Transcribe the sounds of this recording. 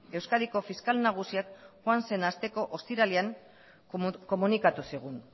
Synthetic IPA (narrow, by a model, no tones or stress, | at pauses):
e̞wskaðiko̞fiskalnaɣ̞usiakʝoanse̞nast̪e̞ko̞ʔost̪iɾaliaŋ | ko̞munikat̪usiɣ̞un